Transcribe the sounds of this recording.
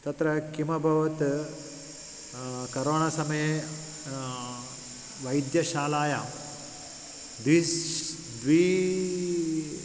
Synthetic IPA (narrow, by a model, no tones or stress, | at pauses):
t̪ɐt̪ɾɐkimɐbʱɐʋɐt̪ | kɐɾoːɳasɐmɐje | ʋɐjd̪jɐʃaːlaːja | d̪ʋi | d̪ʋiː